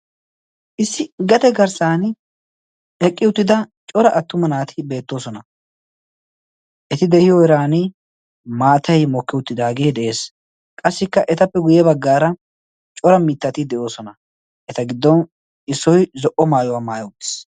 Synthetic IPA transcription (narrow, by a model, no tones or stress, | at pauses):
ʔɪsːɪɡɐt̪ɛɡɐɾsaːnɪ | ɛkʼːɪʊt̪ːɪd̪ɐt͡ʃʼɔɾɐʔɐt̪ːʊmɐnaːt̪ʰɪbe̞ːt̪ːo̞ːsɔnɐ | ʔɛt̪ɪd̪ɛhɪjɔɪɾaːnɪ | maːt̪ɐjmɔkːɪʊt̪ːɪd̪aːɡe̞ːd̪ɛʔe̞ːs | kʼɐsːɪkːɐʔɛt̪ɐpːɛɡʊjɛbɐɡːaːɾɐ | t͡ʃʼɔɾɐmɪt̪ːɐt̪ɪd̪ɛʔo̞ːsɔnɐ | ʔɛt̪ɐɡɪd̪ːɔn | ɪsːɔjzɔʔɔmaːjɔwaːmaːjɔʊt̪ːɪ̥s